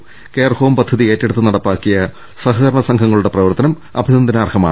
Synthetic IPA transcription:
keːrhʰoːmpɐd̪ʱːɐðie̞ːtːeɽut̪ːɨnɐɽɐpːaːkːijɐ | sɐɦɐɾɳɐsɐŋɡʰʱɐŋːɐɭuɽe̞prɐʋɐrt̪ɐnɐm | ɐ̰bʱinɐnd̪ɐnaːrhʰɐma̰ː

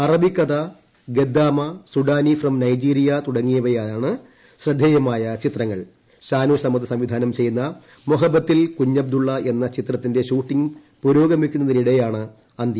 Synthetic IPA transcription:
ɐrɐbikːɐðɐ | ɡe̞d̪ːaːmɐsuɖaːnifrɐmnɐjd͡ʑiːɾijɐt̪uɽɐŋːijɐʋɐjaːjaːɳɨ | ɕrɨd̪ʱːejɐmaːjɐt͡ɕit̪rɐŋːɐɭ | ɕaːnuːsɐmɐðɐsɐmʋid̪ʱaːnɐmt͡ɕe̞jːunːɐ | moɦɐbɐt̪ːilkuɲːɐb̚d̪uɭːɐenːɐt͡ɕit̪rɐt̪ːinde̞ɕuːʈːiŋ | puɾo̞ːɡɐmikʲːunːɐðiniɽɐjaːɳɨ | ɐnd̪jɐ

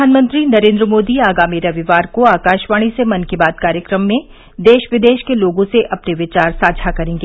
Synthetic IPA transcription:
aːnmə̃nt̪ɾinɐɾẽːnd̪ɾəmoːd̪iaːɡaːmiɾɐʋɪʋaːɾkoaːkaːʃʋaːɽ̃isemɐnkibaːt̪kaːɾjəkɾəmːẽ | d̪eːʃʋɪd̪eːʃkeloːɡõseʔɐpneʋɪt͡ʃaːɾsaːd͡ʒʱakɐɾẽːŋɡe

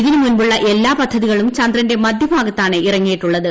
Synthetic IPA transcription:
ɣinimunbuɭːɐʔe̞lːaːpɐd̪ʱːɐðiɣɐɭumt͡ɕɐnd̪rɐnde̞mɐd̪ʱjɐbʱaːɡɐt̪ːaːɳɨʔirɐŋːijiʈːuɭːɐðɨ

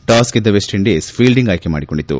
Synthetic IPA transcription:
ʈaːsked̪ːɐʋesʈeɳɖeːspʰiːlɖiŋɡaːjkema̰ːɽikoɳɖit̪ːṵ

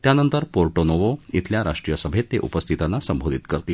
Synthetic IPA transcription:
t̪janənt̪əɾpoɾʈonoʋoit̪ʰljaɾa̰ʂʈɾijəsəbʱet̪ːeʔṵpəst̪ʰit̪anːasəmbʱod̪ʱit̪kəɾt̪eː

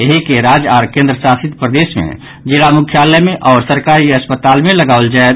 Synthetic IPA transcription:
eɦikeɾad͡ʒaɾkẽːnd̪ɾəsasɪt̪pɾəd̪eːsmḛ̃ | d͡ʒɪlamukʰjaːlɛmẽʔɔːɾsəɾkaɾiəspət̪aːlmẽləɡaːʊld͡ʒae

